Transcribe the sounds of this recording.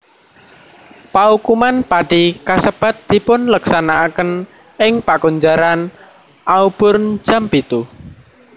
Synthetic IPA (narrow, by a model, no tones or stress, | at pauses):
paukumanpaɖ̥ikasəb̥a̤t̪̚d̪̥i̤pʊnləksanaʔːkən | ɪŋpakuɲd͡ʒaɾan | ʔaub̥ʊrnd͡ʒ̥a̤mpit̪u